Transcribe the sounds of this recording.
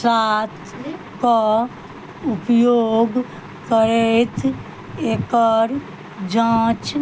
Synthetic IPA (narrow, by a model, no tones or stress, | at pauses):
saːt̪ʰ | ka | ʊpjoːɡ | kəɾet̪ | eːkəɾ | d͡ʒãːt͡ʃ